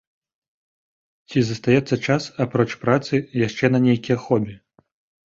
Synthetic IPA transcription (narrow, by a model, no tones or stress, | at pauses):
t͡sʲizɐst̪ajɛt̪sːɐt͡ʂasapɾɔt͡ʂpɾat̪sɨjaʂt͡ʂɛnɐnʲejkʲijɐxɔbʲɛ